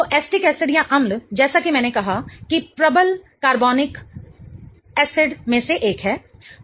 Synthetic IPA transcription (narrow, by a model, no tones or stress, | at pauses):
t̪oʔɛːsʈɪkɛːsɪɖjaʔɐmld͡ʒɛːsakimɛ̃ːnekɐɦakipɾɐbəlkaːɾbɔːnɪk | ɛːseɖmẽseʔeːkɦɛː